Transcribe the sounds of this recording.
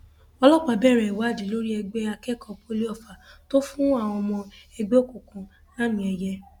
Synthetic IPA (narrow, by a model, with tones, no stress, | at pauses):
ɔ˧lɔ˦˨k͡pa˨˧bɛ˦˨ɾɛ˨wa˨˦˨d͡ʒi˨˦˨lo˦ɾi˦ɛ˧ɡ͡be˦a˧kɛ˦˨kʰɔ˧pʰo˧li˦ɔ˦˨fa˨to˦fũ˦a˦˨w̃ɔ̃˧ɔ˧mɔ̃˧ɛ˧ɡ͡be˦o˦˨ko˨kũ˨˧ | la˦mĩ˧˦ɛ˧jɛ˧